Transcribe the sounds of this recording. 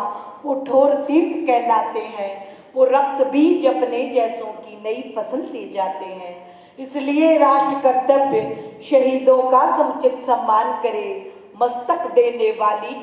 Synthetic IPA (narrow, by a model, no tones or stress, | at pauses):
ʊʈʰoːɾt̪iːɾt̪ʰkɛːɦd͡ʒaːt̪eɦɛ̃ | ʋoːɾək̚t̪bʱid͡ʒɐpned͡ʒɛːsõkinɐipɐsə̃nd̪liːd͡ʒaːt̪eɦɛ̃ː | ɪslieɾaːʃʈɾəkəɾt̪əɾbʱɪʃɐɦiːd̪õkasɐ̃mt͡ʃɪt̪sɐ̃mːaːnkɐɾe | məst̪əqd̪eːneʋaːli